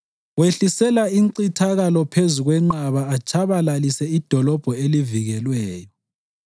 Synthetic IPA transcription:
weɬisɛlaiŋǀitʰaɣalɔpʰezuɣwɛŋ͡ǃaβaːt͡ʃʰʼaβalalisɛid̥ʱɔlɔb̥ʱɔeliviɣɛlwɛːjɔ

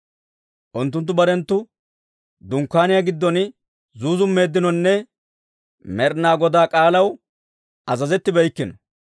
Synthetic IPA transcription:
ʔʊnt̪̬ːʊnt̪̬ːʊbɐɾɛnt̪ːʊ | d̪ʊŋkːaːnɪjaɡɪd̪ːɔnɪ | zuːzʊmːe̞ːd̪ːɪnɔnːɛ | mɛɾnaːɡɔd̪aːkʼaːlɐw | ʔɐzɐzɛt̪ːɪbɛjkːɪnɔ

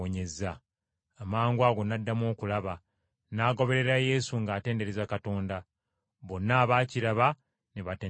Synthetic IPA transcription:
oɲe̞zaː | maːŋɡwaːɡo̞nadːamo̞ːkulaβa | naːɡo̞βe̞ɾe̞ɾaje̞suŋɡaːte̞ːnde̞ɾezakato̞ːnda | βo̞nːaːβaːciɾaβa | neβateː

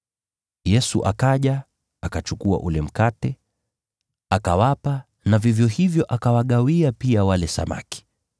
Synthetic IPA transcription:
jɛsṵʔakaʄa | akat͡ʃukua̰ʔulɛm̩katɛ | akawapa | navivjɔhivjɔʔakawaɠawiapiawalɛsa̰ma̰ki̥

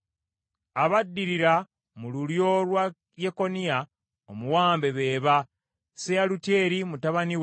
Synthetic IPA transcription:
aβadːiɾiɾa | mululjo̞lwa | jeko̞nia | omuwaːmbe̞βe̞ːβa | sealuteːɾimutaβaniw

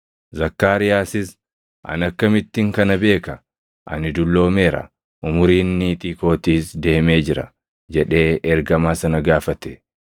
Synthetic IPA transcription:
zɐkːaːɾɪjaːsɪs | ʔɐ̰nɐkːɐmɪt̪ːɪŋkɐnɐbe̞ːkɐ | ʔɐ̰nɪd̪ʊlːo̞ːmeːɾɐ̰ | ʔʊmʊɾiːnːit̪ʼiːko̞ːt̪iːsd̪e̞ːme̞ːd͡ʒɪɾɐ̰ | d͡ʒɛᶑe̞ːɛɾɡɐmaːsɐnɐɡaːfɐt̪ɛ̥

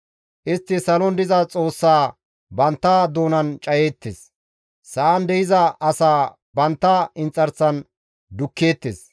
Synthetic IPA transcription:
ʔɪst̪ːɪsɐlɔnd̪ɪzɐt͡sʼo̞ːsːaː | bɐnt̪ːad̪o̞ːnɐnt͡ʃʼɐje̞ːt̪ːes | sɐʔɐnd̪ɛjɪzɐʔɐsaː | bɐnt̪ːɐɪnt͡sʼːɐɾt͡sːɐn | d̪ʊkːeːt̪ːḛs

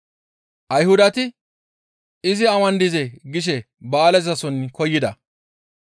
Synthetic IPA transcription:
ʔɐjhʊd̪ɐt̪ɪ | ɪzɪɐmɐnd̪ɪzɛɡɪʃ̬ɛ | baːlɛzɐsɔnːɪkɔjːɪd̪ɐ

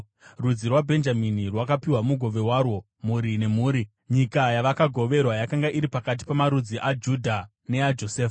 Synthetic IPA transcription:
rud͡zirwabʱe̞nd͡ʒaminirwakapiwamuɡʱo̞ʋe̞waːrwo̞ | muɾine̞muːɾi | ɲikajaʋakaɡʱo̞ʋe̞rwajakaŋɡaʔiɾipakat̬i̥pamaɾud͡ziʔad͡ʒudʱa | ne̞ad͡ʒo̞seːfa

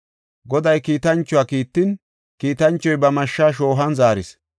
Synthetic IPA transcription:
ɡɔd̪ɐjkiːt̪ɐnt͡ʃːʊaːkiːt̪ːɪn | kiːt̪ɐnt͡ʃːɔjbɐmɐʃːaʃ̬o̞ːɦɐnzaːɾɪs

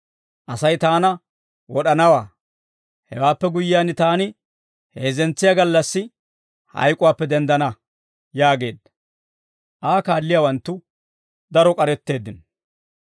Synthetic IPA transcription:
ʔɐsɐjt̪aːnɐ | wɔɗɐnɐwaː | hɛ̰waːpːɛɡʊjːɪjaːnɪt̪aːnɪ | he̞ːzɛnt͡sːɪjaɡɐlːɐsːɪ | hɐ̰jkʼʊwaːpːɛd̪ɛnd̪ɐnɐ | jaːɡe̞ːd̪ːɐ̥ | ʔaːkaːlːɪjawɐnt̪ːʊ | d̪ɐɾɔkʼɐɾɛt̪ːe̞ːd̪ːɪn

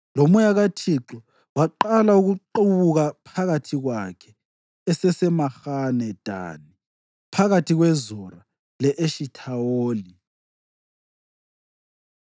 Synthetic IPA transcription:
lomujaɣatʰiǁɔ | waǃalauɣuǃuβuɣapʰaɣatʰiɣwakʰɛ | ɛsɛsɛmaxanɛd̥ʱa̰ni | pʰaɣatʰiɣwɛzɔra | lɛʔeʃitʰawoːli

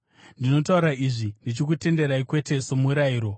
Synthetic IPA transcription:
ndino̞tauɾaiʐindit͡ʃik̬ute̞nde̞ɾaikwe̞te̞somuɾaiːɾo̞

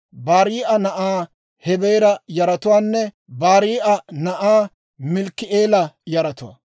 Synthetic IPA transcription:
baːɾiːʔɐnɐʔaː | hɛbeːɾɐjɐɾɐt̪ʊwaːnːɛ | baːɾiːʔɐnɐʔaː | mɪlkːɪʔeːlɐjɐɾɐt̪ʊwɐ̰

